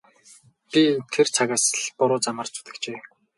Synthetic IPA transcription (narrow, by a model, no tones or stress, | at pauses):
pʲit̪ʰert͡sʰaɣaːsəɮpʊɾʊːt͡samə̆r̥t͡su̥t̪ɘ̆kt͡ɕeː